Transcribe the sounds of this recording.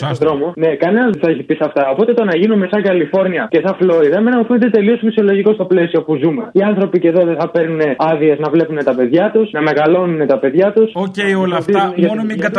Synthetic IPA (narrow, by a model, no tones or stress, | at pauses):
ðɾo̞mone̞kɐnenɐzθɐeçipisɐft̪ɐo̞po̞t̪e̞t̪o̞nɐʝinummesɐkɐlifo̞ɾniɐce̞sɐflo̞iðɐmenɐmufenet̪e̞t̪e̞lio̞sfisio̞lo̞ʝiko̞st̪o̞ple̞sio̞puzume̞iɐnθɾo̞pice̞ðoðeθɐpe̞ɾnune̞ɐðie̞znɐvle̞pune̞t̪ɐpe̞ðʝɐt̪usnɐme̞ɣɐlo̞nune̞t̪ɐpe̞ðʝɐt̪usoeolft̪izuneʝɐ